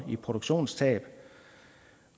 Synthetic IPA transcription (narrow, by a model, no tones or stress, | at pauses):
ipʰʁo̝ɾ̥oɡ̥ɕo̝̰ːnst͡sʰɛ̰ːb̥